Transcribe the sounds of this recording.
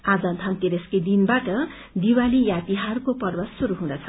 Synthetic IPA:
ad͡zʌnt̪ʰant̪eɾesked̪inbaʈʌ | d̪iwalijat̪iɦarkopʌrbʌsuɾuɦũd̪ʌt͡sʰʌ

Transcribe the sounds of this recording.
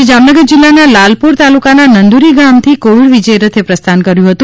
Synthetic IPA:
ed͡ʒamnəɡəɾd͡ʒilːanalalpuɾt̪alukananənd̪uɾiɡamt̪ʰikoʋiɽʋid͡ʒəjɾət̪ʰepɾəst̪ʰankəɾjũɦət̪ũ

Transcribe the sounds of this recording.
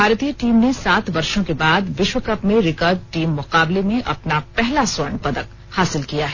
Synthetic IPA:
bʱaːɾt̪ijəʈiːmnesaːt̪ʋɐɾʃõkebaːd̪ʋɪʃwəkɐpmẽɾɪkaːɾɖ̚ʈiːmːʊqaːblemẽʔɐ̰pnapɛɦlaswɐɾɳpɐd̪ək | haːsɪlkijaɦɛ

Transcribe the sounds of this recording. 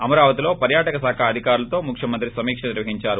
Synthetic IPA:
ɐmɐɾaːʋɐt̪ilo̞ːpɐɾjaːʈɐkɐsaːkʰaːd̪ʱikaːɾulɐt̪o̞ːmukʰʂjɐmɐnt̪ɾisɐmiːkʂɐniɾʋɐɦiɲt͡ʃaːɾu

